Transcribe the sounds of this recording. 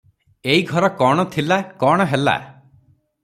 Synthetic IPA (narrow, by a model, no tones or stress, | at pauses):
eiɡʱɔɾɔkɔɽ̃ɔt̪ʰilakɔɽ̃ɔɦela̰